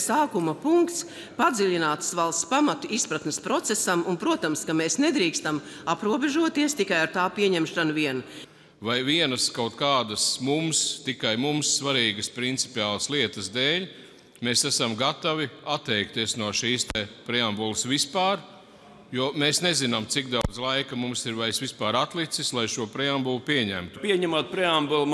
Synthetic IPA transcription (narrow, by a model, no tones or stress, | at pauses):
saːkumɐpuŋkt̪s | pad̪ziʎʲinaːt̪sʋalˠspamat̪uispɾat̪mɪspɾɔt̪sesamunpɾuɔt̪amskameːsned̪ɾiːkst̪am | apɾuɔbeʒuɔt̪iɛst̪ikajaɾt̪aːpiɛɲɛmʃɾanʋiɛn | vajviɛnɐskawt̪kaːd̪ɐsmumst̪ikajmumsːvaɾiːɡəspɾint̪si̥pʲiaːlˠɐslˠiɛt̪əsd̪eːlʲ | meːsæsamɡat̪aviat̪ːɛjk̚t̪iɛsnuɔʃiːst̪epɾɛambulˠsʋispaːɾ | juɔmeːsnezinamt̪sikd̪awd̪zlˠajkɐmumsiɾvajsʋispaːɾat̪lˠit̪sislˠajʃuɔpɾɛambulˠupiɛɲæ̰mt̪upiɛɲɛmat̪̚pɾɛambulˠ